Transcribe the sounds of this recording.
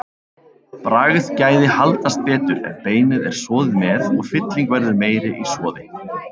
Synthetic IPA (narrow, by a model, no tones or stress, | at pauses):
pɾaːɣɪð̥caːjðɪhalt̪ast̪vɛːt̪ʏɾɛ̰npeːjnɪðɛɾ̥svɔːðɪðmɛːðɔɣfɪt̪liŋkvɛɾðɪɾmeːjɾɪʔisvɔːðɪ